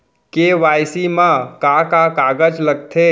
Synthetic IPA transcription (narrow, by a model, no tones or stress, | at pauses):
keʋajsimãkakakaɡəd͡ʒləɡ̚t̪ʰe